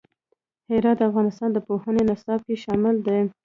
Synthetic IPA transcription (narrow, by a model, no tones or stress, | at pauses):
hɪɾɑt̪̚d̪əafɣɑnɪst̪ɑnd̪əpohənenasɑb̚keʃɑmɪld̪ə